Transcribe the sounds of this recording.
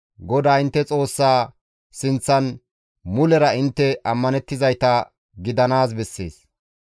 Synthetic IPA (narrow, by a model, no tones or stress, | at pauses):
ɡɔd̪aːɪnt̪ːɛt͡sʼo̞ːsːaː | sɪnt͡sːɐn | mʊlɛɾɐɪnt̪ːɛʔɐmːɐnɛt̪ːɪzɐjt̪ɐ | ɡɪd̪ɐnaːs̬bɛsːe̞̰ːs